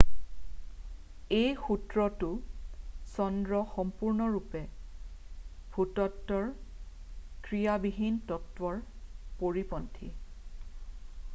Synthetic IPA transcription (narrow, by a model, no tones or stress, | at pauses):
ejxutɹɔtʊ | sɔndɹɔxɔmpuɹnɔɹupɛ | bʱutɔtːɔɹ | kɹijabiɦintɔtwɔɹpoɹipɔntʰḭ